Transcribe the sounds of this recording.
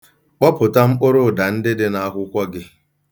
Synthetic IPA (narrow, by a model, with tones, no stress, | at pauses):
k͡pɔ˦pʊ˨ta˦ŋ͡m̩˦k͡pʊ˦ɾʊ˦˨da˨n̩˦dɪ˦dɪ˦na˦ɦʷʊ˦kʷɔ˦ɡɪ˦